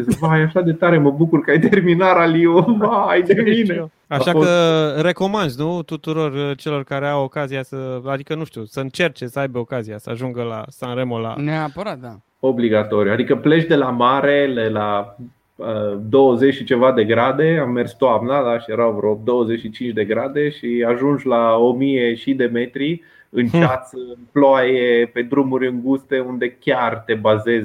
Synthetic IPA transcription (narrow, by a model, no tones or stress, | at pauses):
vajaʃad̪e̞t̪aɾeməbukurkəajt̪erminaɾaliovajd̪emine | aʃakəre̞ko̞mand̪nut̪ut̪uɾo̞rt͡ʃe̞lo̞rkaɾeawo̞kaziasəad̪ikənuʃt̪usəɨnt͡ʃe̞rt͡ʃesəajbeokaziasəaʒuŋɡəla̰sanɾe̞mo̞la̰neapəɾat̪̚d̪a | o̞bliɡat̪o̞ɾjuad̪ikəplet͡ʃd̪e̞lamaɾelela | əd̪o̞wəzet͡ʃʃit͡ʃe̞vad̪e̞ɡɾad̪e̞amːe̞rst̪oamnad̪aʃijeɾawvɾod̪o̞wəzet͡ʃʃit͡ʃint͡ʃd̪e̞ɡɾad̪e̞ʃiaʒund͡ʒlao̞mijeʃid̪e̞me̞t̪ɾi | ɨnt͡ʃat̪sɨnploajepe̞d̪ɾumuɾʲɨŋɡust̪e̞und̪e̞kʲart̪e̞baze̞z